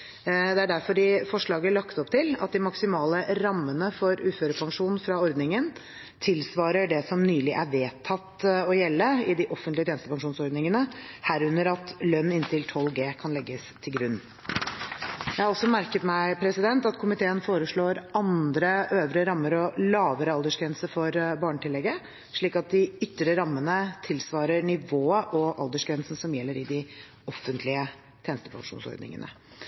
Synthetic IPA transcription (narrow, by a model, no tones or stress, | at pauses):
d̪ɛæɖæɾfɔɖɪːfɔʂɭɑːɡəɭɑkt̪ɔpt̪ʰɪlɑ̰t̪̚d̪ɪmɑksɪmɑːləɾɑmːənəfɔɾʉːføːɾəpʰɑŋʂuːnn̩fɾɑɔɾd̪nɪŋən | t̪ʰɪlsʋɑːɾəɖɛsɔmnyːlɪʔæɾʋeːt̪ʰːɑt̪ɔjɛlːəɪd̪ɪʔɔfənlɪəjenst̪əpʰɑŋʂuːnsɔɾd̪nɪŋənəhæːɾʉnːəɾɑt̪lœnːɪnt̪ʰɪlt̪ʰɔlɡeːkʰɑnlɛɡːəst̪ʰɪlɡɾʉnː | jæhɑɾɔlsɔmæɾkət̪mæɪpʰɾɛsɪd̪ɛnt̪ɑt̪kʰʊmɪt̪ʰeːənfoːɾəʂɭoːɾʔɑnd̪ɾəʔøːʋɾəɾɑmːəɾɔlɑːʋəɾəɑld̪əʂɡɾɛnsəɾfɔɾbɑːɳəʈ̪ɪlɛɡːə | ʂɭiːkɑt̪̚d̪ɪʏt̪ːɾəɾɑmːənət̪ʰɪlsʋɑːɾəɳɪʋoːəʔɔʔɑ̰ld̪əʂɡɾɛnsn̩sɔmjɛlːəɾɪd̪ɪ | ɔfːənt̪ʰlɪə | t̪ʰjenəst̪ə̥pʰɑ̰ŋʂṵːnsɔ̰ɾd̪nɪ̰ŋə̰nʔə̰